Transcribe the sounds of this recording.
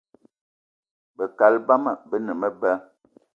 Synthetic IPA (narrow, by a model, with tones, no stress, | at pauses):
bə˨ka˨lba˦mə˨bə˦nə˨mə˦bə˦